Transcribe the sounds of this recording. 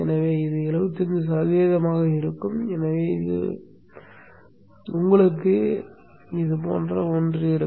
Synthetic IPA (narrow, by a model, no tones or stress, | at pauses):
ɛnɐʋeːɪðɯɛlɐʋɯt̪ːɯnd̪ɯsɐðeːðɐmaːɣɐɪɾɯkːɯmɛnɐʋeːɪ̰ðɯ̰ | ʊŋɡɐɭɯkːɯ | ɪðɯpo̰ːndrɐɔndrɯɪɾɯ